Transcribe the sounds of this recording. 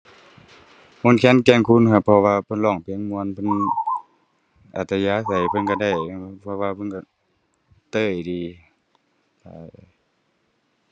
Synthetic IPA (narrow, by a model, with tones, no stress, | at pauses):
mo˧˥˨nkʰɛː˧˥˨nkɛː˧˩˨ŋkʰu˧˥˨nkʰa˧˩pʰɔ˧waː˧pʰɤ˧˨nlɔː˧˩ŋpʰi˧˥˨ŋmu˧ə˨npʰɤ˧˥˨n | ʔa̰˨˧˩t̪ːa˧jaː˧˥˨sa˨˩jpʰɤ˧˥nka˧˩da˧˩jpʰɔ˧waː˧pʰɤ˧˥˨nka˧˩ | t̪ɤː˧˩jdiː˨˩ | ta̰ː˧˩˧